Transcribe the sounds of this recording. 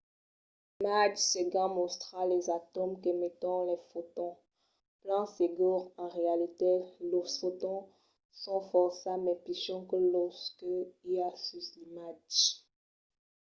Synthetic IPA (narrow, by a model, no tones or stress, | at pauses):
mad͡ʒseɡɑ̃mɔ̃st̪χalɛzat̪ɔmkəmɛt̪ɔ̃lɛfot̪ɔ̃ | plɑ̃seɡuʁɑ̃ʁealit̪elɔsot̪ɔ̃ | sɔ̃fɔʁsamɛpiʃɔ̃kəlɔskəiasysimat͡ʃ